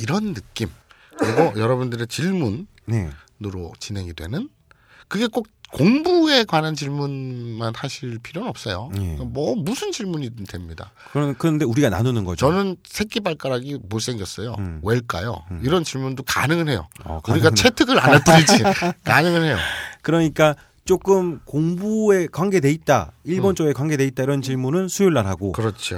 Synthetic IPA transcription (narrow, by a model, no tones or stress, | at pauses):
iɾʌnːɯk͈im | kɯɾiɡojʌɾʌbundɯɾe̞t͡ɕiɭmun | neː | ɯɾot͡ɕinɦe̞ŋidwe̞̰nɯn | kɯɡe̞k͈ok̚koŋbue̞kwanɦant͡ɕiɭmunmanhaɕʰiɭpʰiɾjonʌp̚s͈ʌjoekamʌmusʰɯnt͡ɕiɭmuɲidwe̞mɲida | kɯɾʌnde̞uɾiɡana̰nonɯnɡʌ̰t͡ɕʌnɯnsʰe̞k̚k͈ibaɭk͈aɾaɡimoɭs͈e̞ŋɡjʌs͈ʌjoweɭk͈a̰jo̰iɾʌnt͡ɕiɭmundoka̰nɯŋɯɭɦe̞jo̰ʌkuɾiɡat͡ɕʰetʰɯɡɯɾanat͈uid͡ʑikanɯŋɯɭhe̞jo̰kɯɾʌɲik͈a | t͡ɕ͈ok͈ɯmkoŋbue̞kwaŋɡe̞de̞it̚t͈a̰iɭbʌnt͡ɕ͈ʌe̞kwaŋɡe̞de̞it̚t͈aiɾʌnt͡ɕiɭmunɯnsʰujoɭːaɾɦaɡokɯɾʌt͡ɕʰio